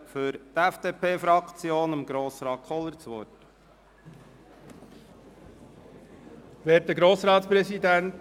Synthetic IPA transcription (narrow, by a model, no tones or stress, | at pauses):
fʏɾtɛfd̪̥eːpʰeːfɾɑkt͡sjoːnəmɡɾoːsɾɑːtχɔləɾt͡sʋɔ̰t | ʋeːt̚dəɡɾoːsɾɑːt̪spɾɛsid̪ænt